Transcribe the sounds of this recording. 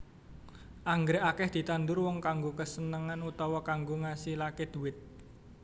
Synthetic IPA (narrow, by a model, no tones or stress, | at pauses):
ʔaŋɡɾeʔakɛhd̪̥i̤t̪and̪ʊrwɔŋkaŋɡokəsənəŋanut̪ɔwɔkaŋɡoŋasihlaked̪̥ṳwɪt̪̚